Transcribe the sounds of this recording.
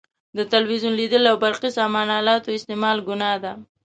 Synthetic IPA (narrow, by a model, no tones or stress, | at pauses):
d̪ət̪alwizunlid̪əlawbaɾqisɑmɑnɑlɑt̪oɪst̪emɑlɡʊnɑd̪a